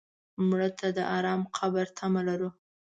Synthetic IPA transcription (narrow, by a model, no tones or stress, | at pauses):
mɽət̪ʰad̪əʔaɾɑmqʰabaɾt̪ʰamalaɾu